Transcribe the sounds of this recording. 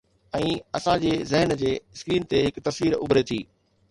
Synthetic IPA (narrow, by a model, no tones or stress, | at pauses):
ɛ̃ːɐsãd͡ʑeːzɛɦənd͡ʑeːskɾiːnt̪eɦɪkt̪ɐsʋiːɾʊ̰bɾet̪ʰiː